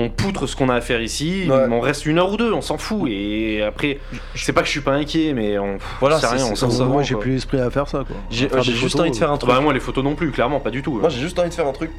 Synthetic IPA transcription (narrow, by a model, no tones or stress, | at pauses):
ɔ̃put̪χəsə̥kɔ̃naːfɛʁisiwɛɔ̃ʁɛst̪ynœʁud̪øɔ̃sɑ̃fueapχɛ | ʒ | sɛpakə̥əʃɥipaɛ̃kʲjɛmɛɔ̃fvwalasɛʁjɛ̃ɔ̃sɑ̃saʒelylɛspχiafɛʁsakwa̰ʒeʒefʒyst̪ɑ̃viəfɛʁɛ̃t̪bamwalefot̪onɔ̃plyklɛʁmɑ̃pad̪yt̪umwaʒeʒyst̪ɑ̃vid̪əfɛʁɛ̃t̪χyk